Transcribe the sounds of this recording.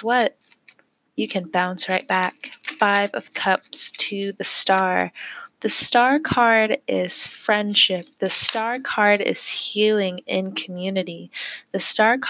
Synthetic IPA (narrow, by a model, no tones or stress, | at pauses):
wʌt̚ | jɨkʰɨ̃nbãʊ̃nsɹaɪt̚b̥ækfaɪvʌ̰v̥kʰʌp̚stʰɨðɨstɑɹðɨstɑɹkʰɑɹɾɪz̥fɹɛ̃nd̥ʃɪp̚ðɨstɑɹkʰɑɹɾɪ̰z̥hilˠɪ̃ŋɪ̃nkʰmjʉnɨɾiðɨstɑɹkʰ